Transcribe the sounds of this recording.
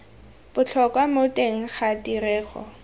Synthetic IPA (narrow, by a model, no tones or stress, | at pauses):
b̥ʊt͡ɬʰɔkʼwamotʼeŋ̩χatʼiɾɛːχɔ̰